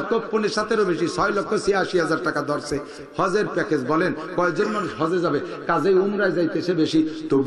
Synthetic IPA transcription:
kopponeɾʃat̪ʰeɾobeʃisʰɔjlɔkʰːosiaʃiɦad͡ʑaɾʈakad̪ɔɾse | hɔd͡ʑeɾpɛkʰed͡ʑbɔlen | kɔed͡ʑonmanuʃɦɔd͡ʑed͡ʑabe | kad͡ʑejumɾajd͡ʑajt̪eʃebeʃit̪ob

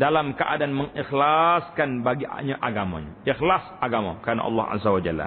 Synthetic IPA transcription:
dalamkəʔa̰daanməŋixlaskanbaɡiʔa̰ɲaʔaɡama̰ɲa̰ʔixlasaɡama̰kəɾana̰ʔɑ̰lːɑ̰hʔa̰zawad͡ʒalːa̰

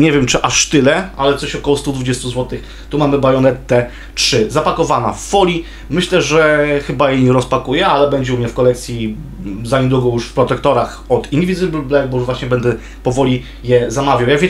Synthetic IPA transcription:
ɲɛvʲjɛmt͡ʂɘʔaʂt̪ɘlɛalɛt̪sɔɕɔkɔwɔst̪ud̪vud͡ʑest̪uzwɔt̪ɘx | t̪umamɘbajɔnɛt̪t̪ːɛ | tʂɘzapakɔvana̰fːɔlʲi | mɘɕlɛʐɛxɘbajɛɲɛɾɔspakujɛalɛbɛɲd͡ʑɛumɲɛfkɔlɛk̚t̪sʲji | zaɲɛd̪uɡɔwjuʂfpɾɔt̪ɛkt̪ɔɾax | ɔt̪ind̪ivʲizɘblblɛɡ̚bɔvwaɕɲɛbɛnd̪ɛ | pɔvɔlʲi | jɛzamavʲjawjaɡvʲjɛ

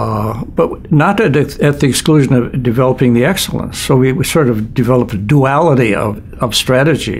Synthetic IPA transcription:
b̥ʌt̚nəɾɨɾɨt̪̚ðiɨkskluʒɨ̃nʌvdɨvɛlˠəpɪ̃ŋðiɛksl̩ˠə̰̃nsoʊwiwisɔɹɾʌvdɨvɛlˠəpɨduælˠəɾiʌ̰v | ʌv̥stɹ̥æɾɨd͡ʒḭ

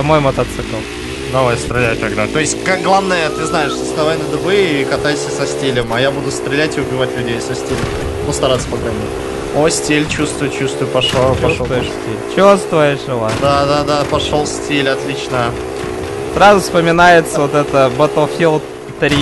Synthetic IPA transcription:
mojmət̪ɐt̪sɨkəlˠ | d̪ɐvajst̪ɾʲɪlʲæjt̪ɐɡd̪at̪o̞ɪsʲtʲkakɡlˠavnəjət̪ɨznajɪʂsəsnɐvajʲnəd̪ɨbɨikɐt̪ajsʲəsɐsʲtʲilʲəmajabud̪ʊst̪ɾʲɪlʲætʲɪʊbʲɪvatʲlʲʉdʲejsɐsʲtʲilʲəmm | nust̪ɐɾat̪sə̥pəɡɾɐnʲitʲ | osʲtʲilʲt͡ɕust̪vʊj̚ʲt͡ɕust̪vʊjʊpɐʂapɐusʂovʊjɪsʲtʲilʲt͡ɕust̪vəjɪʂɨlˠad̪ad̪ad̪apɐʂolˠsʲtʲilʲɐt̪lʲit͡ɕnə | sɾazʊfspəmʲɪnajɪt̪səvot̪ɛt̪əbət̪əlˠfʲilˠ | t̪əɾʲ

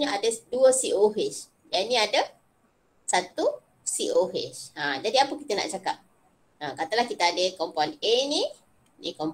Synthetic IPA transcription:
ɲaadəduəsiʔoɦet͡ʃ | janĩadə | sat̪u | siʔoɦet͡ʃə̃d͡ʒadiapəkit̪əna̰ʔt͡ʃakap̚ | ə̃kat̪əlahkit̪aːdəkɔmpɔnenĩ | nḭkɔm

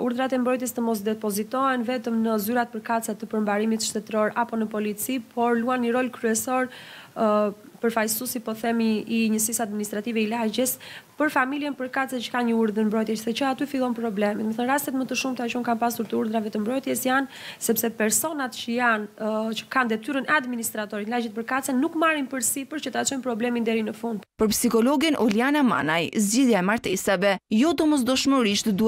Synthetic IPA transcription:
uɾðɾat̪ɛmbɾɔjt̪jɛst̪əmɔs̬d̪ɛpɔzit̪ɔɛnvɛt̪əmnəzyɾat̪̚pəɾkat̪t͡sɛt̪əpəɾmbaɾimit̪ʃt̪ɛt̪ɾɔɾapɔnəpɔlit͡sipʰɔɾluanɲəɾɔlkɾyɛsɔɾ | pəɾfajsusipɔθɛmiːɲəsisad̪̚minist̪ɾat̪ivɛilad͡ʑəspəɾfamiljɛnpəɾkat̪t͡sɛt͡ʃə̥kanɲəuɾðənmbɾɔjt̪jɛsðɛt͡ʃəat̪yfilˠɔnpɾɔblɛmɛt̪məθənɾast̪ɛt̪mət̪əʃumt̪at͡ʃɔmkanpasuɾt̪əuɾðɾavɛt̪əmbɾɔjt̪jɛsjansɛpsɛpɛɾsɔnat̪t͡ʃəjant͡ʃə̥kand̪ɛt̪yɾənɛad̪minist̪ɾat̪ɔɾit̪nlaɟɛt̪pəɾkat͡sɛnukmarinpəɾsipəɾt͡ʃət̪əat͡ʃɔjnpɾɔblɛmind̪ɛɾinəfund̪pəɾpsikɔlɔɡinʔɔlianama̰najzɟiðjaɛmaɾt̪ɛsavɛjɔd̪ɔmɔs̬d̪ɔʃməɾiʃt̪d̪u

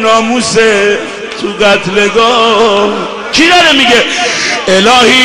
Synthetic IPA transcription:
nɒːmuse | t̪ʰuɡæt̪ʰleɡɔː | t͡ʃʰid̪ɒɾemiɡeelɒːhiː

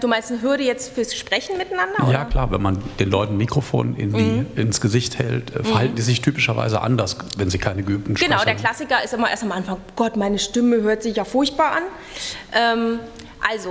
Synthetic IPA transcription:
d̥uːmaɪnstnəɦʏɐɾəjɛt͡stfyːɐsʃpʁ̥ɛçn̩mɪtanandɐʔjaːɐkl̥aːɐvɛ̰nmand̥eːnlɔʏtn̩mikʁ̥ofo̰ːnʔɪ̰ndiːʔɪnsɡ̥əzɪçthɛ̰ltʔɛ̰ːfɐhaltn̩diːzɪçtʰyːpɪʃɐva̰ɪzə̰ʔa̰ndɐsvɛnziːkʰaɪnəɡəʔyːp̚tn̩ʃɡ̥ənaʊʊdeɐkl̥asɪkɐɪstʔɪmɐʔḛɐstamʔanfaŋɡ̥ɔtmaɪnəʃtɪməhøːɐtz̥ɪçjaːfʊɐçt̚b̥aːɐʔan | ʔɛːm | ʔalzo

